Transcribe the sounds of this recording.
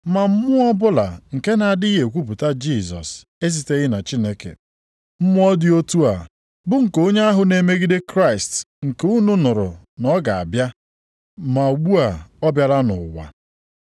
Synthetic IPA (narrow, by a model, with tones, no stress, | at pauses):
ma˨m̩˦mʊ˦ɔ˦bʊ˦la̰˨ŋ̩˨ke˦na˨a˨dɪ˦ɦe˨kʷu˦p̬ʊ˨ta˦d͡ʒi˦˨zɔ̰˨s | e˦s̬i˨te˦ɣɪ˦na˨t͡ʃi˦ne˦kḛ˨ | m̩˦mʊ˦ɔ˦dɪ˦o˦tu˦a˨ | bʊ˦ŋ̩˨ko˦ɲe˦a˦ɦʊ˨ne˨me˦ɡi˦de˦kɾa˦ɪ˨st | ŋ̩˨ke˦u˦nu˦nʊ˨ɾʊ̰˨ | nɔ˦ɡa˨a̰˨bja˦ | ma˨o˨ɡ͡bu˦a˨ɔ˦bja˨ɾa˦nʊ̰˨wa̰˨